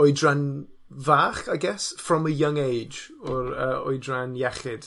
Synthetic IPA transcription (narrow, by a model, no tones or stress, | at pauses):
ɔɨdran | vaːχaɡɛsfrɔməjəŋejd͡ʒɔɾəːɔ̰ɨdranjɛχɪd̥